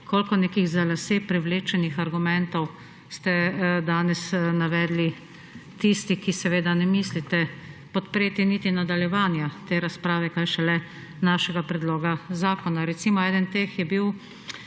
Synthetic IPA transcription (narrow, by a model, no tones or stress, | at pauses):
kʰoːlkɔneːkiɣzalaseːpɾɛwleːt͡ʃɛnixaɾɡumɛnt̪ɔw | st̪ɛd̪aːnɛsnaʋɛːd̪li | t̪ist̪ikisɛʋeːd̪anɛmislit̪ɛpɔt̪pɾeːt̪init̪inad̪aljɛʋaːnjat̪eːɾaspɾaːʋɛkaːjʃɛlɛ | naːʃɛɡapɾɛd̪loːɡazaːkɔnaɾɛt̪simɔɛːd̪ənt̪eːxjɛbiw